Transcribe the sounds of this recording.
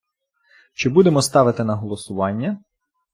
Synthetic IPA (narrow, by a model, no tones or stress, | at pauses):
t͡ʃɪbud̪emɔst̪ɑʋɪt̪ɪnɐɦɔlˠɔsʊʋɑnʲːɐ